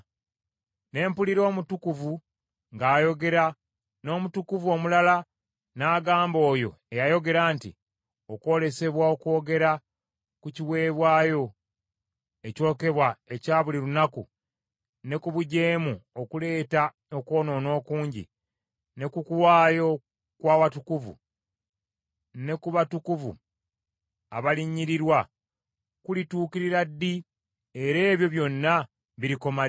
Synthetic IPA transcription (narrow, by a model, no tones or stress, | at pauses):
ne̞ːmpuliɾo̞ːmutukuvu | ŋɡaːjo̞ɡe̞ɾa | no̞ːmutukuvuo̞mulala | naːɡaːmbo̞ːjo̞̰ | e̞jajo̞ɡe̞ɾaːntḭ | o̞kwo̞ːle̞se̞βwaokwo̞ːɡe̞ɾa | kuciwe̞ːβwaːjo̞ | e̞co̞ːke̞βwae̞caːβuliɾunaku | ne̞kuβuɟe̞ːmuo̞kule̞ːta | oko̞ːno̞ːno̞ːkuːɲɟḭ | ne̞kukuwaːjo̞ | kwaːwatukuvṵ | ne̞kuβatukuvṵ | aβaliɲːiɾiɾwa | kulituːkiɾiɾadːi | e̞ɾe̞ːβjo̞βjo̞nːa | βiɾiko̞ma